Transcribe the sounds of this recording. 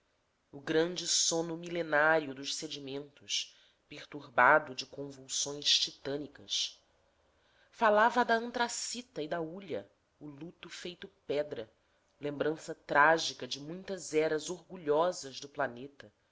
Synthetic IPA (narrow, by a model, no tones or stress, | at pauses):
ʊɡɾɐ̃nd͡ʒɪsõnʊmilenaɾiʊd̪ʊʃsed͡ʒimẽnt̪ʊʃ | peɾt̪uɾbad̪ʊd͡ʒɪkõvuwsõj̃ʃt͡ʃit̪ɐ̃nikɐs | falavɐd̪ɐɐ̃nt̪ɾasit̪ɐɪd̪ɐuʎɐ̰ | ʊlut̪ʊfejt̪ʊpɛd̪ɾɐ | lẽmbɾɐ̃sɐt̪ɾaʒikɐd͡ʒɪmũj̃t̪ɐzɛɾɐzoɾɡuʎɔzɐzd̪ʊplanet̪ɐ